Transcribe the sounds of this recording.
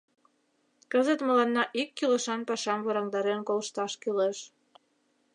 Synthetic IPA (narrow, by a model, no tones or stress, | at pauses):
kəzət̪məlɑnːɑʔikːileʃɑnpɑʃɑmβɤɾɑŋd̪ɑɾenkolʃt̪ɑʃkileʃ